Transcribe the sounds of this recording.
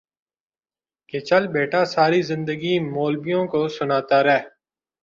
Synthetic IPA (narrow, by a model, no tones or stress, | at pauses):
ket͡ʃəlbeːʈaːsaːɾizɪ̃nd̪əɡiːmoːlbijõkosʊnaːt̪aːɾɛː